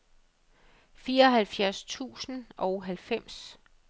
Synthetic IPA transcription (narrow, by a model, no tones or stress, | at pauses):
fiːɐɒ̽ɦælfjæɐst͡sʰṵːsn̩ɒ̽ʊɦælfem̰s